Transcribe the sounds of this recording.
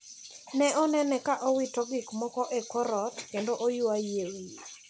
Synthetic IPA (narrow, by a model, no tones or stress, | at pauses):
nɛʔɔnɛnɛkaʔowitɔɡɪkmɔkɔʔɛkɔɾɔtkendoʔojʊajewi